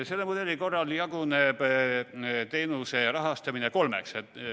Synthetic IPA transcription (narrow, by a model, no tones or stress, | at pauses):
se̞lːemud̪e̞lːiko̞rːɑljɑɡuneb̥ | t̪e̞jnuse̞rɑɦɑst̪ɑmineko̞lmḛkset̪ːˑ